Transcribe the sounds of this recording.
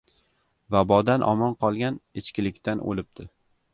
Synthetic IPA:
vabɒd̪anʔɒ̰mɒnqʰɒlˠɡʲanɪt͡ʃkʲɪlɪkʲt̪ʰano̰lɪp̚d̪̥ʰɪ

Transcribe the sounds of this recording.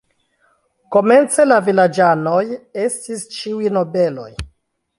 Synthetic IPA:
ko̞me̞nt͡se̞lavilad͡ʒano̞je̞stist͡ʃiujno̞be̞lo̞̰j

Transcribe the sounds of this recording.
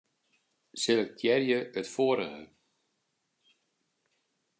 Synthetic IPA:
sɪlək̚tʰjɛrjəətfoəɾəɣə̰

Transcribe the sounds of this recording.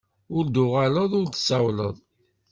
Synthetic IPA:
ʊɾd̪ʊʁaləðˤʊɾt̪ə̥sæwlə̰ðˤ

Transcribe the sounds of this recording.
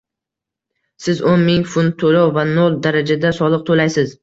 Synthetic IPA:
sɪzonmɪŋfʊnt̪ʰolɒwvanolˠd̪aɾad͡ʒad̪asɒlˠɨq̚t̪ʰolajsɪz

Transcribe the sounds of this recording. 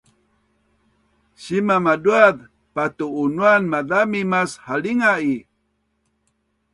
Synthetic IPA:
ɕimamaduað | patuːnuanmaðamimashaliŋai

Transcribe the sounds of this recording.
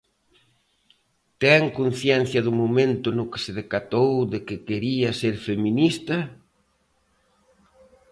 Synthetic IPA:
t̪ɛŋkon̟θjɛn̟θjɐðʊmomẽnt̪ʊnʊkɪ̥sɪðekat̪owðɪkɪkeɾiɐseɾfemĩnist̪ɐ

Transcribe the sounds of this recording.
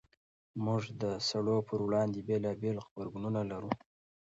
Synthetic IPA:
mʊʐd̪əsaɽopʰəɾwɽɑnd̪ebelɑbelɣbaɾɡununalaɾu

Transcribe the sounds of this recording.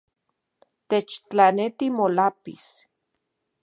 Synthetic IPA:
t̪et͡ʃt͡ɬanet̪imolapḭs

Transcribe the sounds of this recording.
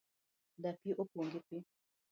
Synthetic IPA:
dapiʔopoŋɡipi

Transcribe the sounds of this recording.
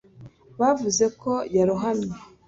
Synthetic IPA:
βavuze̞ko̞jaɾuɦamɲa

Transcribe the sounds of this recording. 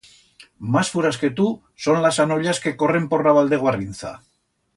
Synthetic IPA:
masfuɾaske̞t̪u | so̞nlasanoʎaske̞ko̞re̞mpo̞raβald̪e̞ɣ̞oarint͡sa̰

